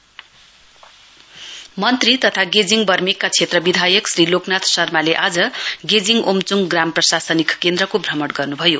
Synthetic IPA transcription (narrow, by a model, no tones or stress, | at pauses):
mʌnt̪rit̪ʌt̪ʰaɡed͡ziŋbʌrmekːat͡sʰet̪rʌbid̪ʱajʌksriloknat̪ʰsʌrmaleʔad͡zʌɡed͡ziŋomt͡suŋɡramprʌsasʌnikkːend̪rʌkobʱrʌmʌʈɡʌrnubʱʌjo